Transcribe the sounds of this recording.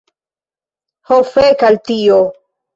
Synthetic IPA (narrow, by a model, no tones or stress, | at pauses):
hofekalt̪io